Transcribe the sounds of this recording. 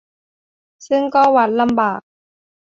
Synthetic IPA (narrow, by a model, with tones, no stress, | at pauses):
sɯ˥˩ŋkɔː˥˩wa˦˥n̚la˧mbaː˨˩k̚